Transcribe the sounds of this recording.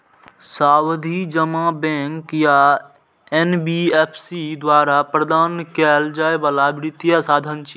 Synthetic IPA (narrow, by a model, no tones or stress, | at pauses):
saːwd̪ʱid͡ʒəmabɛ̃ːŋkja | ɛnbieːpʰsid̪waːɾapɾəd̪aːnkɛːld͡ʒaːebaːlabɾɪt̪jasaːd̪ʱənt͡ʃ